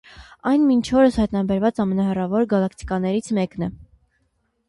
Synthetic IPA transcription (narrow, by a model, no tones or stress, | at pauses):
ɑjnmint͡ʃʰɔɾəshɑjt̪nɑbɛɾvɑt͡sɑmɛnɑɦɛrɑvɔɾɡɑlɑkʰt̪i̥kɑnɛɾit͡sʰmɛknɛ